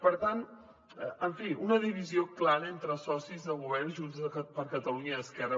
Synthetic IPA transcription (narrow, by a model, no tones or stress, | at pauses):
pəɾt̪an | əəɱfiʔunəðiβizioklaɾəent̪ɾəsɔsizðəlˠɣuβɛrnʒunzpəɾkət̪əluɲəːskɛrə